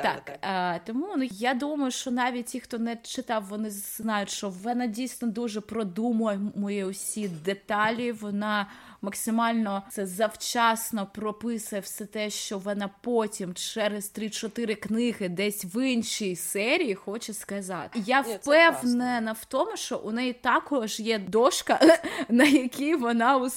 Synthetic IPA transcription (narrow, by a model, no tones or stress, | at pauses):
t̪ɑ̰kːt̪ɔmunjad̪umɐjʊʃt͡ʃɔnɑʋʲit̚ʲtʲixt̪ɔnɛt͡ʃɪt̪ɑwʋɔnɪznɑjʊtʲʃt͡ʃɔʋɔnɑdʲijsʲnɔd̪uʒɛpɾɔd̪umʊjmʊjɛʊsʲid̪et̪ɑlʲiʋɔnɑ | mɐksɪmɑlʲnɔsɛzɐwt͡ʃɑsnɔpɾɔpɪsʊjɛwsɛt̪ɛʃt͡ʃɔʋɔnɑpotʲimt͡ʃɛɾezt̪ɾit͡ʃɔt̪ɪɾɪknɪɦɪd̪ɛsʲʋɪnʃijsɛɾʲijixɔt͡ʃɛskɐzɑt̪ɪjawpɛwnɛnɐwt̪ɔmʊʃt͡ʃɔʔʊnɛit̪ɑkɔʒjɛd̪ɔʃkɐnɐjɐkʲiʋɔnɑʊ